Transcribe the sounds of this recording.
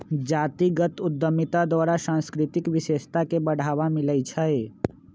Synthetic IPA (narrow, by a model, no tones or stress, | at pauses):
d͡ʒaːt̪iɡət̪ʊd̪ːəmɪt̪ad̪waːɾasãnskɾɪt̪ɪkʋɪʃeːʃt̪akebəɽ̤ʱaːʋamɪləit͡ʃʰəe